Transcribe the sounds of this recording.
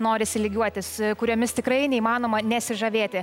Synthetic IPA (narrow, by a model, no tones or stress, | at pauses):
noːɾʲɪsʲɪlʲɪɡʲuɔt̪ʲɪskʊɾʲoːmʲɪst̪ʲɪkrɐɪnʲɛiːmɑːnoːmɐnʲɛsʲɪʒɐʋʲeːt̪ʲɪ